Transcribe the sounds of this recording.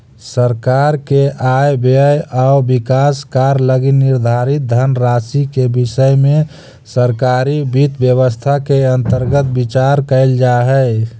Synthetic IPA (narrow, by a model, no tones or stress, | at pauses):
səɾkaɾkeʔajbejaʊbikaskaɾləɡinːiɾd̪ʱaɾit̪̚d̪ʱənɾasikebisəjme | səɾkaɾibit̪bjəβəst̪ʰakeənt̪əɾɡət̪bit͡ʃaɾkəɪld͡ʒaɦɛj